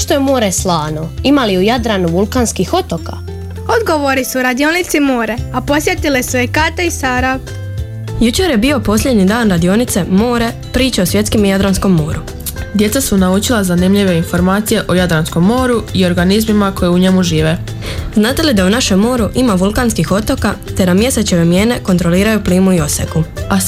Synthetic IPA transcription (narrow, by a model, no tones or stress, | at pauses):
ʃt̪oemoːɾeslˠaːnoimaliujad̪ɾanuʋulˠkaːnskixo̞t̪oka̰ | o̞d̪ɡo̞ʋo̞ɾisuɾad̪ionit̪simoːɾe̞apo̞sje̞t̪ilesuekat̪aisaɾa | jut͡ɕeɾje̞bio̞po̞slʎe̞d̪ɲid̪aːnɾad̪io̞nit̪se̞mo̞ːɾe̞ | pɾiːt͡ɕeosʋje̞t̪skimijad̪ɾansko̞mːo̞ːɾu | d̪je̞t̪sasunaut͡ʃilazanimʎiʋe̞info̞ɾmaːt̪sije̞ʔo̞jad̪ɾansko̞mːo̞ːɾuio̞ɾɡanizmimako̞jeuɲe̞muʒiːʋe̞ | znaːt̪e̞lid̪aunaʃe̞mːo̞ːɾuʔimaʋulˠkanskixo̞t̪o̞kat̪e̞namje̞se̞t͡ɕe̞ʋe̞mje̞ːne̞ko̞nt̪ɾo̞liːɾajupliːmuio̞sḛkua